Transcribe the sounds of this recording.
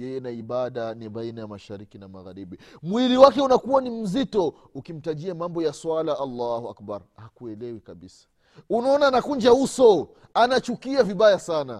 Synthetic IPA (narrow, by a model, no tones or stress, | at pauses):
jɛjɛnaiɓaɗaniɓainajamaʃaɾikinamaɣaɾiɓimwiliwakɛunakuwanim̩zitɔ | ukim̩taʄiamambɔjaswalaʔalːahua̰kbaɾhakuɛlɛwikaɓisḁ | unaɔnaːnakund͡ʒausɔ | anat͡ʃukiaviɓajasana